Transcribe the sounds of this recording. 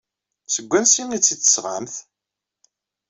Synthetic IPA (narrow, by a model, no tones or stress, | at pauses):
səɡʷːænsinit͡sːit͡s̪ːə̥sʁa̰mθ